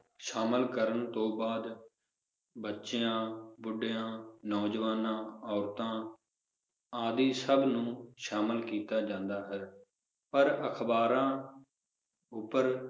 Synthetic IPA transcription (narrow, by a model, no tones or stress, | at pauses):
ʃaːməlkəɾənt̪õːbaːd̪ | bətːʃejãːbʊɖeãːnɔːd͡ʒəʋaːnãːɔːɾt̪ãː | aːd̪iːsəbnũːʃaːməlkiːt̪aːd͡ʒãːnd̪aːɦəɾ | pəɾəkʰbaːɾãː | ʊpːəɾ